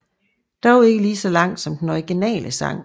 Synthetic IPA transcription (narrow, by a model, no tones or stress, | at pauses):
d̥ɒe̝ɡ̥əliːsɒ̽lɑ̈ŋ̰d̥sɒ̽md̥enɒiɡ̥inɛ̰ːləsɑ̈ŋ̰